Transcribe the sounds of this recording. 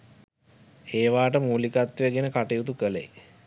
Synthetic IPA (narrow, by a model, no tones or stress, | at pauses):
eːʋaːʈəmuːlikat̪ːijəɡenəkaʈijut̪ukəlḛj